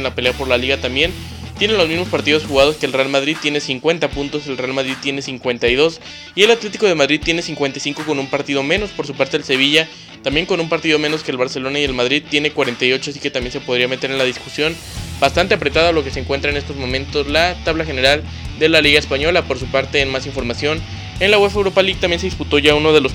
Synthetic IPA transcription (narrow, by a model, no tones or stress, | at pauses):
nlapele̞apo̞ɾlaliɣat̪ambje̞n | t̪je̞ne̞nlozmizmo̞spaɾt̪iðo̞sxuɣað̞o̞skeːlre̞almaðɾið̚t̪jene̞siŋkwe̞nt̪apunt̪o̞se̞lrealmaðɾið̚t̪je̞ne̞siŋkwe̞nt̪ajðo̞s | ie̞lat̪le̞t̪iko̞ð̞e̞maðɾið̚t̪je̞ne̞siŋkwent̪ajsiŋko̞ko̞numpaɾt̪iðo̞mẽ̞no̞spo̞ɾs̬upaɾt̪e̞else̞β̞iʝa | t̪ambje̞ŋko̞numpaɾt̪iðo̞me̞no̞ske̞ːlβaɾse̞lo̞naie̞lmaðɾiðt̪je̞ne̞kwaɾe̞nt̪ajo̞t͡ʃoasi̥ke̞t̪amje̞nse̞po̞ð̞ɾiame̞t̪e̞ɾe̞nlaðiskusjo̞n | bast̪ant̪e̞apɾet̪aðolo̞keseːŋkwe̞nt̪ɾaenest̪o̞zmõ̞mẽ̞nt̪o̞zlat̪aβlaxe̞ne̞ɾal | d̪e̞laliɣae̞spaɲo̞lapo̞ɾsupaɾt̪e̞ːnmasiɱfo̞ɾmasjo̞n | e̞nlaɣwefewɾopalik̚t̪ambjenseðisput̪o̞ʝauno̞ðe̞los